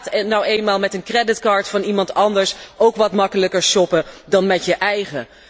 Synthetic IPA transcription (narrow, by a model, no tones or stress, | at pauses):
tnɔwejnmaːlˠmɛtənkrɛdɪtkɑːɹtfɑnimɑntɑndəɹsowkʋɑtmɑkələkəɹsɔpədɑnmɛtjəʔɛjχə